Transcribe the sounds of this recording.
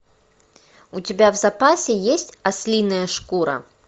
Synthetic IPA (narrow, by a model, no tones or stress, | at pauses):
ut͡sʲabʲawzapasʲɛjesʲt͡sʲasʲlʲinɐjɐʂkuɾɐ̰